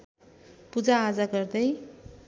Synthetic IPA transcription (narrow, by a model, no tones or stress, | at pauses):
pud͡zaːd͡zaɡʌrd̪ʌj